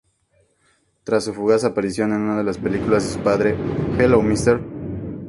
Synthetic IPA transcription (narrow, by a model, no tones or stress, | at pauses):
t̪ɾasːufuɣasaːpaɾisjo̞ne̞nũnaðe̞laspe̞likulazðesupaðɾe̞xelowmist̪eɾ